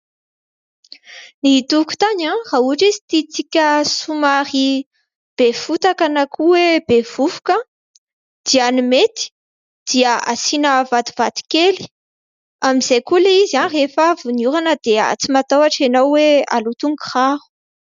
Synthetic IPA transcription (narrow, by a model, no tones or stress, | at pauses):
nit̪uku̥t̪aɲãrauaʈ͡ʂizi̥t̪it͡sikʲəsumaɾi | b̥efut̪akanakʰuweb̥ev̥uvu̥kə | d̪̥ianimet̪i̥ | d̪̥iəasinəvat̪uv̥at̪i̥keli̥ | amizejkulaizanrefavunjuɾanəd̪̥ea̰t͡simat̪awaʈ͡ʂenawwea̰lut̪uŋɡiχahu̥